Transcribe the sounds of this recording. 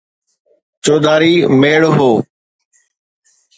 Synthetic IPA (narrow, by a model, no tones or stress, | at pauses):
t͡ʃoːd̪aːɾiːmeːɭɦoː